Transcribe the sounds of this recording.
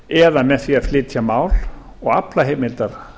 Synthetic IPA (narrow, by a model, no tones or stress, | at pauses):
ɛðamɛðθiaðflɪt̪ʰjamaːwl | ɔɣaplaɦejmɪlt̪aɾ̥